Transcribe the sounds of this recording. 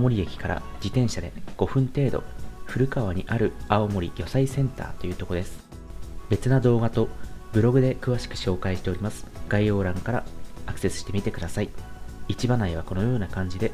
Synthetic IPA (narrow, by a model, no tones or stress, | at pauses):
mo̞ɾʲiekʲi̥kaɾa̰d͡ʑit̪ẽ̞ɰ̃ɕad̪e̞̰ɡ̥o̞ɸɯ̟̃nt̪e̞ːd̪o̞̰ɸɯ̟ɾɯ̟kaβaɲ̟iʔaɾɯ̟aomo̞ɾʲḭjʲo̞saisẽ̞nt̪a̰ːt̪o̞jɯ̟ːt̪o̞ko̞d̪e̞sɨ̥ | be̞t͡sɨnad̪o̞ːɡat̪o̞bɯ̟ɾo̞ɡɯ̟d̪e̞kɯ̟β̞aɕi̥kɯ̟̥ɕo̞ːkaiɕi̥t̪e̞oɾʲimasɨ̥ɡ̥aio̞ːɾãŋkaɾaakɯ̟̥se̞sɨ̥ɕi̥t̪e̞mʲit̪e̞kɯ̟d̪asaiit͡ɕibanaiβ̞ako̞no̞jo̞ːnakãɲ̟d͡ʑid̪e̞